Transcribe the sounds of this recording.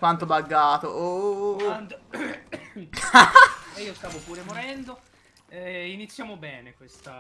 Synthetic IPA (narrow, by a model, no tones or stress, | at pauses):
kwant̪obaɡːaːt̪oʔont̪ | eiːost̪aːvopuːɾemoɾɛnd̪o | init̪sːjaːmobɛːnekwest̪a